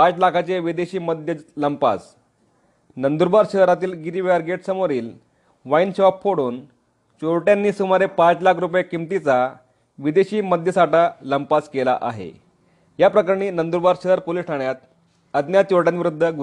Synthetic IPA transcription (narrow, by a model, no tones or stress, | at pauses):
pat͡slakʰat͡ɕeʋid̪eɕiːməd̪ʱjələmpa̰s | nənd̪uɾbaɾɕəɦɾat̪iːlɡiɾiʋaɾɡeʈsəmoɾiːl | ʋainɕeʋapfoɽuːn | t͡ɕoɭʈjãnːiːsumaɾepat͡slakʰɾup̬jekimt̪it͡sa | ʋid̪eɕiːməd̪ʱjəsaʈaləmpaskela̰ʔaɦḛ | japɾəkaɾɳiːnənd̪uɾbaɾɕəɦəɾpolisʈʰaɳjat̪ | əd̪njat̪oɭʈjanʋiɾud̪ʱːəɡu